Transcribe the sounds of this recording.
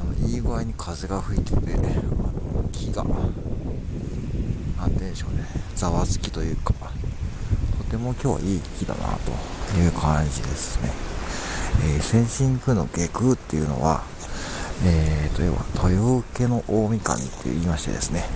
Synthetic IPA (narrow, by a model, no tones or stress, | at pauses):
ano̞iːɡɯaiɲ̟ikʰaze̞ɡaɸɯ̟it̪et̪e̞anokʲʰiɡa̰ | ãnt̪ẽnɕo̞̰ːd̪ed͡zaβasɨ̥kʲi̥t̪o̞jɯ̟ːkḁ | t̪ʰo̞t̪e̞mo̞kʲo̞ːβa̰ʔiːkʲid̪a̰na̰t̪o̞̰jɯ̟ːkʰãɲd͡ʑid̪e̞sɨne̞ | sẽ̞ɰ̃ɕĩŋkɯ̟no̞̰ɡe̞kɯ̟t̪ːe̞̰jɯ̟no̞̰βa̰ | eːt̪o̞jo̰βa̰t̪ʰo̞jo̞ke̞no̞ʔoːmʲikã̰nt̪ʰːeiːmaɕi̥t̪e̞d̪e̞sɨne̞